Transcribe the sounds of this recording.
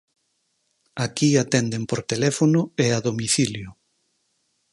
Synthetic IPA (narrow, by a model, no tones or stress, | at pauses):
akiat̪ɛnd̪empoɾt̪elɛfonʊeaðomiθiljʊ